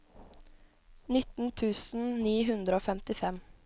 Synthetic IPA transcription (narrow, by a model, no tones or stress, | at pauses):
nɪt̪n̩t̪ʰʉːsn̩niːɦʉnd̪ɾəoːfɛmt̪ɪfɛm